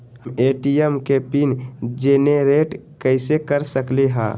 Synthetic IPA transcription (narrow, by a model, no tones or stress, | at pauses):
meʈiəmkepind͡ʒeneɾeʈkəɪsekəɾsəkleɦã̰